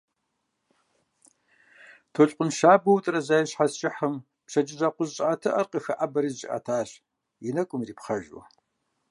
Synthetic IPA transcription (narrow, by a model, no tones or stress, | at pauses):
tʰoːɬʼqʷʼʊnʃaːbɐwtʼrɐzajɪɕħast͡ʃʼɪħəm | pɕɐd͡ʒʼɪʒɐqʷʊzɕʼaːtʰɐʔɐrqʼəxɨʔabɐɾiːzʒʼɪ̰ʔɐ̰tʰaːɕ | jɪnɐkʷʼʊmriːpχɐʒwʊ̰